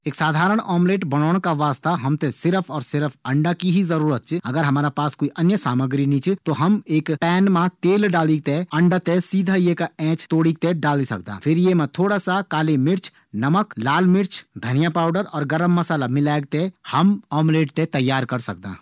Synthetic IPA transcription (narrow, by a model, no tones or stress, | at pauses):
eːksaːd̪ʱaːɾəɽ̃ʔɔːmleːʈbənɔːɽ̃kaʋaːst̪aɦɐmt̪ẽsɪɾəpʰɔːɾsɪɾəpʰə̃ɳɖakiɦizəɾuːɾət̪̚t͡ʃʰiɐɡəɾɦɐmaːɾapaːskoiʔɐnjəsaːməɡɾinit͡ʃʰt̪oɦəmeːkpɛːnmat̪eːlɖaːlik̚t̪eɐɳɖat̪esiːd̪ʱajekaɛ̃ːt͡ʃt̪oːɽik̚t̪eɖaːlisɐ̰k̚d̪ã̰ːpʰɪɾjemẽt̪ʰoːɽasakaːlemɪɾt͡ʃʰ | nəməklaːlmɪɾt͡ʃʰd̪ʱənijapaːʊɖəɾɔːɾɡəɾəmːəsaːlamɪlaːɡ̚t̪ehəmɔːmleːʈ̚t̪et̪ɐjːaːɾkəɾsə̰k̚d̪a̰ː